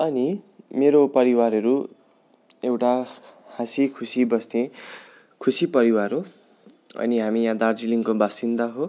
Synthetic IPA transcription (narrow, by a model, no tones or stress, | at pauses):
ʌnimeɾopʌɾiwaɾʌɾu | ewʈakʰasikʰusibʌst̪ẽ | kʰusipʌɾiwaɾo | ʌ̰niɦamijãd̪ard͡ziliŋkobasind̪aɦo